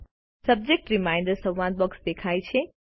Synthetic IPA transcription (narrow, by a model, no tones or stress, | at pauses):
səb̚d͡ʒek̚ʈɾimaj̃ɳɖəɾsəwʋãd̪̚bəksd̪ekʰajt͡ʃʰe